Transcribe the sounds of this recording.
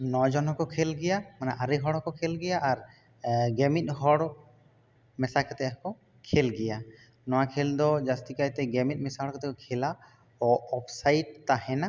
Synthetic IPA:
nɔd͡ʒɔnɦɔkɔkʰɛlɡɛjamanaʔaɾɛɦɔɽɦɔkɔkʰɛlɡɛjaʔːɾ | ɡɛmit̪̚ˀɦɔɽ | mɛsakat̪ɛɦɔkɔ | kʰɛlɡɛja | nɔwakʰɛld̪ɔd͡ʒast̪ikajt̪ɛɡɛmit̪̚ˀmɛsaɦɔɽkat̪ɛkkʰɛla | ɔɔpʰsajʈ̚t̪aɦɛna

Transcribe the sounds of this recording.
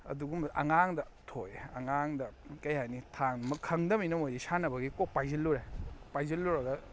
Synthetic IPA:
ɐ̰duɡumɐ̰ŋaŋdɐ | tʰojɐŋaŋdɐkɐjhajnitʰaŋmɐkʰɐŋdɐminɐmojdisanɐbɐɡikok̚pajzilːuɾepajzɐlːuɾɐɡɐ

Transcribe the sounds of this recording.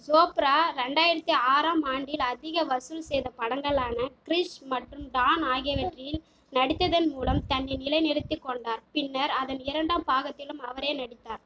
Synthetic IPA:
soːpɪɾaːɾɛɳɖaːjɪɾɐt̪ːiaːɾaːmaːɳɖjɪlɐðɪɣɐʋɐsɯlsɛjðɐpɐɽɐŋɡɐɭaːnɐkɪɾɪʂmɐʈrɯmɖaːnaːɣɪjɐʋɐʈrɪjɪl | nɐɽɪt̪ːɐðɐnmuːlɐmt̪ɐnːɛɪnɪlɐɪnɛɾɯt̪ːikːɔɳɖaːɾpɪnːɐɾɐðɐnɪɾɐɳɖaːmpaːɣɐt̪ːɪlɯmɐʋɐɾeːnɐɽɪt̪ːaːɾ

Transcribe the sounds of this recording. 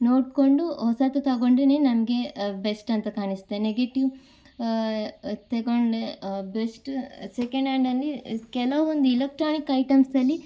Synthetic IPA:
noːʈkoɳɖuhɔsat̪ut̪ɐɡoɳɖɾeneːnɐmɐɡe̞besʈɐnt̪ɐkaːnist̪ːeneɡeʈiʋ | t̪eɡoɳɖebesʈsekɐɳɖeɳɖɐlːikɛlɐʋɐond̪uilek̚ʈɾaːnikɐjʈɐmsɐlːi

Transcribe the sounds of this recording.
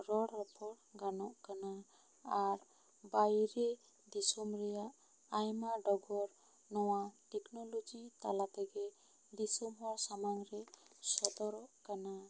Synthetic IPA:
ɾɔɽːɔpʰɔɽɡanɔʔkanaː | ɾ | bajɾɛ | d̪isɔmɾɛjaʔ | ajmaɖɔbɔɾ | nɔwaʈɛknɔlɔd͡ʒit̪alat̪ɛɡɛ | d̪isɔmɦɔɾsamaŋɾɛsɔd̪ɔɾɔʔkana

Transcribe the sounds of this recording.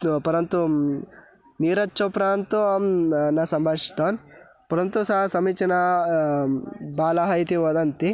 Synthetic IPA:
pɐɾɐnt̪u | niːɾɐtːt͡ʃopɾaːnt̪uanɐsɐmbʱɐʂi̥t̪oːn | pɐɾɐnt̪usɐɦɐsɐmit͡ʃɐnɐ | baːlɐɦɐjt̪iʋɐd̪ɐnt̪i

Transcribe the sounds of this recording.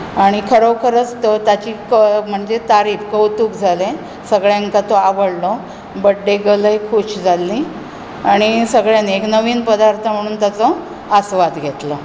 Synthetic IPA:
aɽ̃ikʰəɾəkʰəɾət͡st̪ət̪at͡ɕiːkəm̤əɳd͡zet̪aɾiːfkəwt̪uːkd͡zʱale | səɡɭjaŋkat̪oaʋəɽlɔ | bəɖːeɡələjkʰuɕd͡zʱalːi | aɽ̃isəɡɭjaneknəʋiːnpəd̪aɾt̪ʰəm̤əɽ̃uːnt̪at͡sɔ | asʋad̪ɡʱet̪lɔ

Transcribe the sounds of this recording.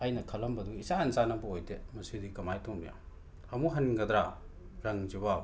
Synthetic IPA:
ɐjnɐkʰɐlɐmbɐduisanzanɐbɐojdemɐsidikɐmajtoŋbija̰ | ɐmuɦɐniŋɡɐd̪ɾa | ɾɐŋziba

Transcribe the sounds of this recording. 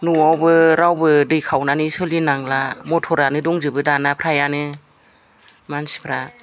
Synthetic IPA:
nuawbɯɾawbɯdɯjkʰawnanɯsɯlinaŋlamɔtʰɔɾanɯdɔŋzɯbɯdanapʰɾajanɯ | mansi̥pʰɾa

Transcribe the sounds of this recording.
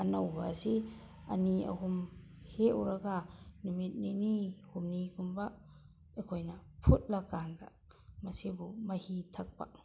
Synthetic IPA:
ɐnowba̰si | ɐ̰niɐ̰hum | heuɾaɡanumit̚ninihumnikumba | ekʰojnɐpʰut̚lakanda̰ | mɐsibumɐhitʰak̚pa̰k̚

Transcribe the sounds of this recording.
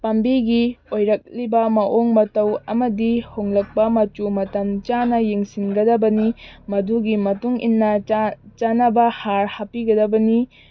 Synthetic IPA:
pɐmbiɡiojɾɐk̚libɐmɐʔoŋmɐtɐwɐmɐdihoŋlɐk̚pɐmɐt͡ʃumɐtɐnt͡ʃanɐjeŋsinɡɐdɐbɐnimɐduɡimɐtuŋḭnːɐt͡ʃanɐbɐhaɾhapiɡɐdɐbɐni

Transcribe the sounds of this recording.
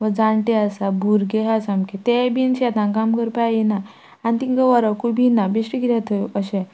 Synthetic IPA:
ʋəd͡zaɳʈeasabʱuɾɡeɦasamket̪ebinɕɛt̪ãnkamkəɾpaina | anit̪ĩŋkəʋaɾakʰubinabeɕʈiɡit̪at̪ʰəəɕɛ̃

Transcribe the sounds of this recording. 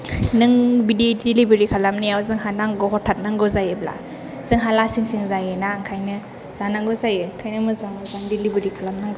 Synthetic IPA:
nɯŋbididilibeɾikʰalamniawzɯŋɦanaŋɡɔɦɔtʰat̚naŋɡɔzajebla̰ | z̥ɯŋɦalasiŋsiŋzajenaŋkʰajnɯ | z̥anaŋɡɔzajɯŋkʰajnɯmɯzaŋɔzaŋdilibeɾikʰalamnaŋɡɔ

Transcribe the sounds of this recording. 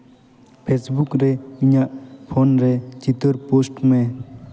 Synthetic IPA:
pʰesbukɾeiɲaʔpʰonɾet̪wit̪əɾposʈmẽ

